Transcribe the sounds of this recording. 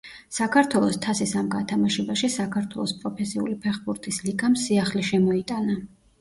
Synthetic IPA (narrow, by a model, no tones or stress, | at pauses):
sakʰaɾt̪ʰwɛlˠɔst̪ʰasisamɡat̪ʰamaʃɛbaʃisakʰaɾt̪ʰwɛlˠɔspʼɾɔpʰɛsiṵlipʰɛχbuɾt̪ʼisliɡamsiaχliʃɛmɔit̪ʼana